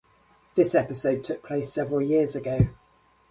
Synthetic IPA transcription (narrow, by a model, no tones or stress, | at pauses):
ðɪsɛpɪsəʊd̚tʰʊk̚pʰl̥eɪsɛvɹəlˠjɪəzəɡəʊ